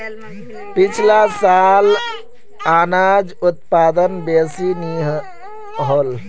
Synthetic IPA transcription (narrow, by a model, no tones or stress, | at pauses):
pɪt͡ʃʰlasal | aːnaːd͡ʒʊt̪̚paːd̪ənbeːsiniɦ | ɦol